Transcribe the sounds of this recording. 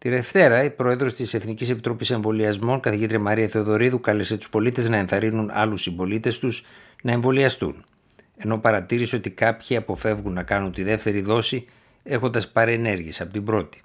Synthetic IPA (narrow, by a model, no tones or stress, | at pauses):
t̪iðe̞ft̪e̞ɾɐipɾo̞e̞ðɾo̞st̪ise̞θnicise̞pit̪ɾo̞pise̞ɱvo̞liɐzmo̞ŋkɐθiʝit̪ɾiɐmɐɾiɐθe̞oðo̞ɾiðukɐlese̞t̪u̥spo̞lit̪e̞znɐe̞nθɐɾinunɐ̰lusimbo̞lit̪e̞st̪uznɐe̞ɱvo̞liɐst̪ṵn | e̞nopɐɾɐt̪iɾiso̞t̪ikɐpçiɐpo̞fe̞vɣunːɐkɐnunt̪iðe̞ft̪e̞ɾiðo̞si | e̞xo̞nd̪ɐspɐɾe̞ne̞ɾʝiesɐpo̞t̪ibɾo̞t̪i̥